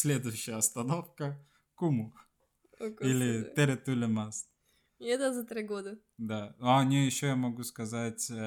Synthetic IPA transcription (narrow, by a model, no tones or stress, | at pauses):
sʲlʲed̪ʊjʉɕːɪjəɐst̪ɐnofkə | kumʊ | kilʲɪt̪eɾʲɪt̪ulʲɪmas | ɛt̪əzɐt̪ɾʲɪɡod̪ə | d̪aanʲejɪɕːojamɐɡuskɐzatʲ